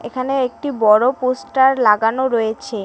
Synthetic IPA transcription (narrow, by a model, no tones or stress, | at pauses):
ḛkʰaneek̚ʈibɔɽoposʈaɾlaɡanoɾojet͡ɕʰe